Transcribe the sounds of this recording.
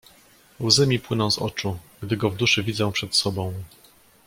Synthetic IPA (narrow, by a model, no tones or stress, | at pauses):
wzɘmʲipwɘnɔ̃w̃zɔ̰t͡ʂuɡd̪ɘɡɔvd̪uʂɘvʲid̪zɔ̃w̃pʂɛt̪sɔbɔ̃w̃